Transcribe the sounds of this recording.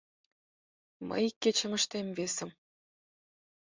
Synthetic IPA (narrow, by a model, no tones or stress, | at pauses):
mə̰jkːet͡ɕə̆mə̆ʃt̪emvesə̆m